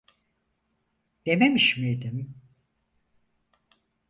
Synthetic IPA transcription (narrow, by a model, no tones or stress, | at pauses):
d̪̥ememiʃmijd̪im